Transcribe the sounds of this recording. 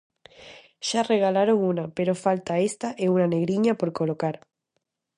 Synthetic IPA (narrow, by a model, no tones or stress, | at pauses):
ʃareɣalaɾoŋunapeɾofalt̪aest̪aʔeunaneɣɾiɲapoɾkolokaɾ